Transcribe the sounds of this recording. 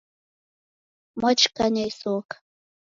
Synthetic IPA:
mat͡ʃkaɲajsok

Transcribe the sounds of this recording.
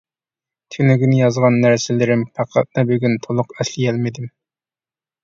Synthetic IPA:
t̪ʰylyɡʲinɪjɑzʁɑnːæɾsɪlɪɾɪmpʰæqʰɑ̰t̪̚nɨbøɡʲynt̪ʰolˠʊqɛslɪjɛlmɪd̪ɪm

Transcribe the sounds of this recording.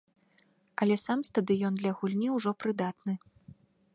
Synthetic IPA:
ɐlʲɛsamst̪ɐd̪ɨjɔnd̪lʲɐɣulʲnʲiwʐɔpɾɨd̪at̪nɨ

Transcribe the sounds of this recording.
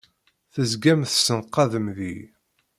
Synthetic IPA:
θəzɡæmθsənqːɑðəmði

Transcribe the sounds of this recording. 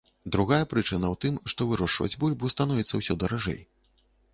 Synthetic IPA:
d̪ɾuɣajɐpɾɨt͡ʂɨnɐwt̪ɨmʂt̪ɔvɨɾɔʂvɐ̰d͡zʲbulʲbuwst̪anɔvʲit̪sːɐwsʲɔd̪ɐɾaʐɛ̰j

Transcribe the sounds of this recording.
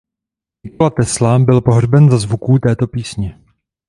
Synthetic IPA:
ɲɪkolat̪ɛslabɪlpo̞ɦrbɛnzazvukuːt̪ɛːt̪o̞piːsɲɛ

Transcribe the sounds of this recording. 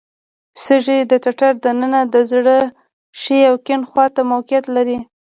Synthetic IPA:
səʒed̪ət̪aʈaɾd̪anənad̪əzɽə | ʃeawkɪnxwɑt̪amawqjat̪laɾi

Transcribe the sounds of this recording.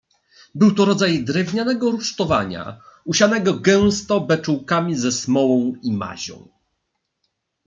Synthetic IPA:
bɘwt̪ɔɾɔd̪zajd̪ɾɛvɲanɛɡɔɾuʂt̪ɔva̰ɲa̰uɕanɛɡɔɡɛw̃st̪ɔbɛt͡ʂuwkamʲizɛsmɔwɔ̃w̃ima̰ʑɔ̰̃w̃

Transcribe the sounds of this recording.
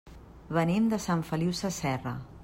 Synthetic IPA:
βənemd̪əsaɱfəliwsəsɛrə

